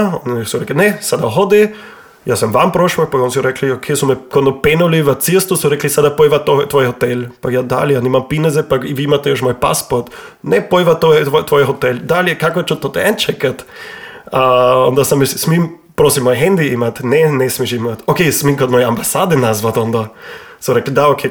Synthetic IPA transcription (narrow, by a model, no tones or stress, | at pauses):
onsuɾɛklʲinɛsad̪aɦod̪i | jaːsamʋampɾoʃmɔkpaɡons̬uɾɛkliokʰesumɛkot̪nɔpɛnuliʋət̪sist̪usuɾɛklisad̪apoiʋat̪ot̪ʋɔjɦot̪ɛlpajad̪a̰lijanimampinɛzɛpaiʋiimat̪ɛjoʃmojpa̰spoɾt̪ | nɛpoiʋat̪oɛt̪ʋɔjɛɦot̪ɛld̪aliɛkakot͡ʃot̪ːot̪ɛɛnt͡ʃɛkat̪ | aond̪asamissmim | pɾosimːɔjɛɦɛnd̪iimat̪nɛnɛsmiʃimat̪okesmiŋkot̪mɔjɛambasaːd̪ɛnazʋat̪ond̪asɔɾɛklid̪aokʰe